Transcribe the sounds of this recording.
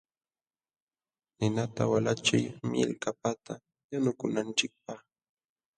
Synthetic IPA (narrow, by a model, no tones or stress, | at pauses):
nɪnat̪a̰walat͡ʃʊjmɪ̰lkapat̪ʰa | janʊkʊnant͡ʃɪk̚paχ